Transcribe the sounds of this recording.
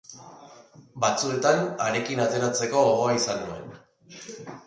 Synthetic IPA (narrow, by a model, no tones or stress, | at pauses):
bat͡sue̞t̪anaɾe̞kinat̪e̞ɾat͡se̞ko̞ːɣoaisanue̞n